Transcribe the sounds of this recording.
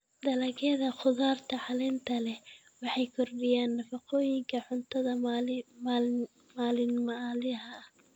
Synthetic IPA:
d̪ɐlɐɣɛːðɐχʊðaːrt̪ʰɐħɑlɛnt̪ʰɐlɛ | wɑħɑjkʰɔrbɪjaːnːɐfɑqɔːjɪŋkʰɐħʊnt̪ʰɐðɐ | maːlɪnmɐlɪɦɐh

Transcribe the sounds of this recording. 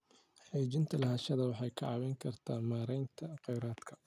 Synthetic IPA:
ħiːt͡ʃɪnt̪ʰɐlɐɦɐːʃɐðɐwɑħɑjkʰɐʕɑwɛjŋkʰɐrt̪ʰaːmaːɾɛjnt̪ʰɐqɛjɾaːd̪kʰɐ̥

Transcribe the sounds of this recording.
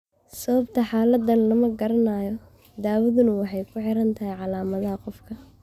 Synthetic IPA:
sɐβɐbt̪ʰɐħaːlɐd̪ɐnlɐmɐɡɐɾɐnaːjɔ | d̪aːwɐðʊnɐwɑħɑjkʰʊħɪɾɐnt̪ʰɐɦɛjʕɑlaːmɐðɐɦɐqɔfkʰɐ

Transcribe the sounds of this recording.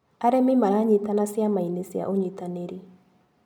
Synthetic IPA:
aɾemimaɾaɲitanasiamainesa̰ʔoɲitaneɾi

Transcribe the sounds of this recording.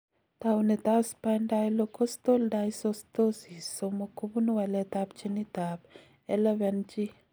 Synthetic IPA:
t̪awnet̪aspajnɖajlokost̪olɖajsost̪osisomokubunuwɐlet̪ap̚t͡ʃenit̪aːb | elɐwɛnt͡ʃi

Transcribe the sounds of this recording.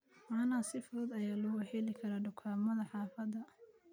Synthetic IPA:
mɑːnɐsɪfʊðɐd̪ɐjaːlʊɣɐħɛlɪkʰɐɾaːɖʊkʰaːmɐðɐħɑːfɐd̪ɐ

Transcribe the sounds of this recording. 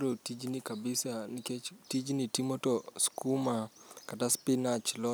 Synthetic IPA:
ɾotid͡ʒnikabɪsaniket͡ʃtid͡ʒnitimotoskumakataspinat͡ʃlɔ

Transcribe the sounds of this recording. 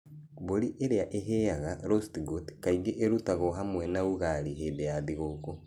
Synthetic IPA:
boɾiʔeɾeaʔeɦejaɣaɾostɡotkaiɡeʔeɾutaɣoɦamwɛnauɣaɾiɦedejaðeɣoːko

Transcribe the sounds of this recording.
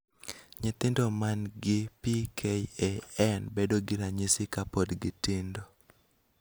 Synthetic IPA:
ɲɪt̪ɪndomanɡɪpikʰejɛɛnbedoɡɪɾaɲɪsɪkapodɡɪtɪndo

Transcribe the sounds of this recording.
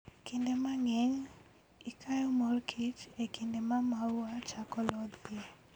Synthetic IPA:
kindemaŋɛɲ | ikʰajɔmɔrkʰit͡ʃekindemamawat͡ʃakɔlɔd̪pie

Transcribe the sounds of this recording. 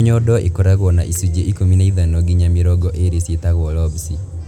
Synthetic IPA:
ɲɔdɔʔekoɾaɣwɔna̰ʔisud͡ʒeʔikominaiðanoɡiɲamɪɾɔɡɔʔeɾesetaɣwɔlɔbsi

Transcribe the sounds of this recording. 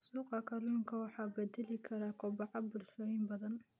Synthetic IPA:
suːqɑkʰɐluːŋkʰɐwɑħɑːbɛd̪ɛlɪkʰɐɾaːkʰɔbɑʕɑbʊlʃɔːjɪmbɐðɐn

